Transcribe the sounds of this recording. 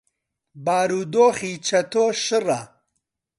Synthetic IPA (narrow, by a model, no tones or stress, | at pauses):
baːɾuːd̪oːχiːt͡ʃʰɐt̪ʰoːʃɨrɐ